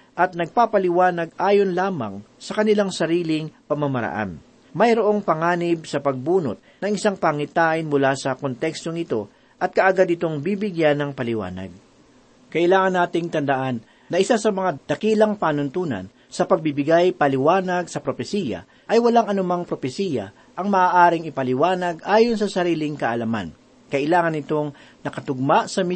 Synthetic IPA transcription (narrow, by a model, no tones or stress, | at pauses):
ʔɐt̪̚nɐɡ̚papɐlɪwaːnɐɡʔaːjonlaːmɐ̰ŋsɐkɐnɪlaŋsɐɾiːlɪŋpɐmamɐɾɐ̰ʔa̰n | mɐjɾoʔo̞ŋpɐŋaːnɪb̚sɐpɐɡ̚buːnot̪̚nɐŋɪsaŋpaŋɪt̪aːʔɪnmʊlasɐkont̪ɛkst̪o̞ŋɪt̪o̞ | ʔɐt̪̚kɐʔɐɡad̪ɪt̪o̞ŋbibɪɡjanːɐŋpɐlɪwa̰ːnɐ̰ɡ̚ | kɐʔɪlaːŋɐnːaːt̪ɪŋt̪ɐnd̪ɐʔanː | ɐʔɪsasɐmɐŋad̪̥ɐkiːlɐŋpaːnʊnt̪uːnɐ̰n | sɐpɐɡ̚bibɪɡajpɐlɪwaːnɐɡsɐpɾopɛsiːjɐ̰ | ʔɐjwɐlaŋɐnʊmaŋpɾo̞pɛsiːjɐ̰ | ʔɐŋmɐʔaːʔaːɾɪŋɪpɐlɪwaːnɐɡʔaːjonsɐsɐɾiːlɪŋkɐʔɐlɐma̰n | kɐʔɪlaːŋɐnɪt̪o̞ŋ | nɐkɐt̪ʊɡ̚maʔsɐm